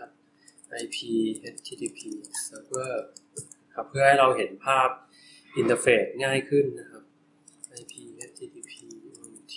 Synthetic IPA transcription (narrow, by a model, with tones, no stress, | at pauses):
p̚ | ʔa˧jpʰiː˧he˦˥t̪̚ʰːiː˧t̪ʰiː˧pʰiː˧saː˧bɤ˥˩ | kʰa˦˥pʰːɯ˥˩ɐha˥˩jɾa˧wɦe˩˦npʰaː˥˩p̚ | ʔi˧nt̪ə˧feː˨˦˩t̪̚ŋaː˥˩jkʰɯ˥˩nːa˦˥kʰa˦˥p̚ | ʔa˧jpʰiː˧he˦˥t̪̚ːʰiː˧t̪ʰiː˧pʰiː˧˥˩ŋt̪ʰ